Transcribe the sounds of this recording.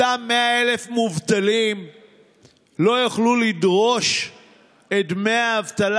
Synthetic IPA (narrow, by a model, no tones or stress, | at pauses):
amːeae̞le̞fmuvt̪alim | lo̞jaχlulidʁo̞ʃ | et̪meaːvt̪al